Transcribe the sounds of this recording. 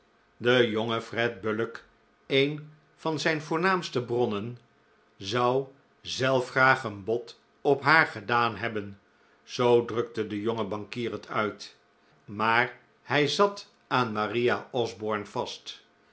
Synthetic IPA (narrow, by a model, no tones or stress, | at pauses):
dəjoŋəfrɛd̚bølək | ejn | v̥ɑnzɛjnvʊːɹnaːmstəbrɔnən | zɑw | zɛlˠfχraːχənbɔt | ɔpɦaːɹχədaːnɦɛbən | z̥owdrɵk̚tədəjɔŋəbɑŋkiːrətʰœɥt | maːɹ | hɛjzɑt | aːnmarijaɔzbɔɹnv̥ɑst